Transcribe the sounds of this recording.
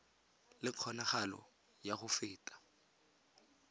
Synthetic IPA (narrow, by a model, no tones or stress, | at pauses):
lɪq͡χʰɔnaχalɔ̰ | jaχʊfɪːtʼḁ